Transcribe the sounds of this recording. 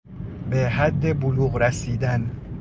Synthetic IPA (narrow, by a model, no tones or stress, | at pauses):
beɦæd̪ːebʊluːɣɾæsiːd̪æn